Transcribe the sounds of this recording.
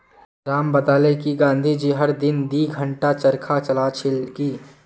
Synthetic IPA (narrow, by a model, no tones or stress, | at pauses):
ɾaːmbəd̪aːlekiɡãːnd̪ʱid͡ʒiɦɐɾd̪ɪnd̪iːɡʱə̃ɳʈat͡ʃəɾkʰat͡ʃɐlaːt͡ʃʰɪlkiː